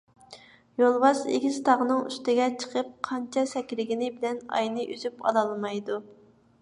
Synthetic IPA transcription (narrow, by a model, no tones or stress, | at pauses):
jolˠwɑʃḛɡʲizt̪ʰɑʁənɨŋy̰st̪ɪɡʲɛt͡ʃʰə̥qʰəp̚qʰɑnt͡ʃʰɛsɛkʲɾɪɡʲinɪbɪlɛnɑ̰jnɨʔyzypɑ̰lˠɑlˠmɑjd̪u